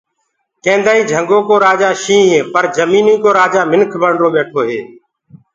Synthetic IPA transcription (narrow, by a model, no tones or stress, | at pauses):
kẽːnd̪aːĩːd͡ʒʱəŋɡõːkoːɾaːd͡ʒaːʃĩːɦẽːpəɾd͡ʒəmiːniːkoːɾaːd͡ʒaːmɪnkʰbəɳɾõːɓeːʈʰoːɦḛː